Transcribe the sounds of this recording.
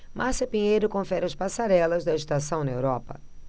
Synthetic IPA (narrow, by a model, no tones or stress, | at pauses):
mʔaɾsɐpiɲejɾʊkõfɛɾɪɐspasaɾɛlɐzd̪ɐɪʃt̪asɐ̃w̃nɐewɾɔpɐ̰